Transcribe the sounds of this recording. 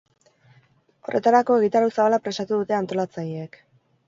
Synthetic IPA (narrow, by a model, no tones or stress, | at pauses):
o̞̰re̞̰t̪aɾako̞e̞ɣ̞it̪aɾawsaβalapɾe̞st̪at̪uðut̪e̞ant̪o̞lat͡sajeek